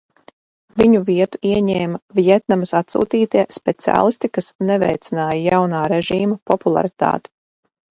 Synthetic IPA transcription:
viɲuviɛt̪uiɛɲɛːmavijɛt̪̚namɐsat̪sṵːt̪iːt̪iɛspɛt̪sia̰ːlˠist̪ikasnɛvɛjt̪sʲinaːjajawnaːɾɛʒiːmapɔpulˠa̰ɾit̪a̰ːt̪ɛ̥

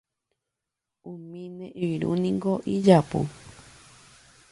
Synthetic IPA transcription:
ũmĩnẽʔɨɾṵnĩŋɡoʔid͡ʒapṵ

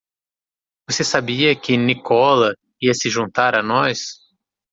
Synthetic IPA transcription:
vosesabiɐkɪnikʰɔlɐ | iɐsɪʒũnt̪aɾanɔjs

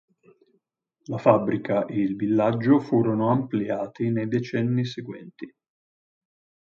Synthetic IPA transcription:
lafabːɾikaʔeilvilːad͡ʒːofuːɾonoampliaːt̪inejd̪et͡ʃɛnːiseɡwɛ̰nt̪i

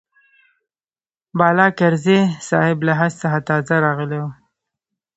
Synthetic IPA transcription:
bɑlɑkaɾzesɑhɪblaɦɑzsaxat̪ɑzaɾɑɣəlew

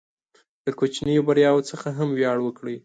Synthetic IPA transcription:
d̪̥əkot͡ʃnəjobaɾjɑwot͡səxaɦamwjɑɽwəkɽi

